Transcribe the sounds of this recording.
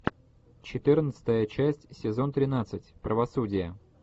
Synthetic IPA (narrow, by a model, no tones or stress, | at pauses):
t͡ɕɪt̪ɨrnət̪sɨ̥t̪əjət͡ɕæsʲtʲsʲɪzo̞nt̪ɾʲɪnat̪sɨtʲpɾəvɐsudʲɪjə